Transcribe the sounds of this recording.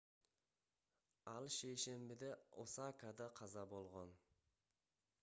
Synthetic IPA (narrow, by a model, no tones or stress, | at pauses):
ɑlˠʃejʃe̞mbɪd̪eo̰sɑkad̪ɑqʰɑzɑbolˠʁon